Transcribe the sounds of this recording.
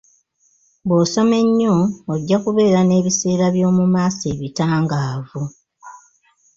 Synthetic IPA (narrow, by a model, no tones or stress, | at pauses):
bwoːso̞me̞ɲːooɟːakuβe̞ːɾane̞ːβise̞ːɾaβjo̞ːmumaːseːβitaːŋɡaːvu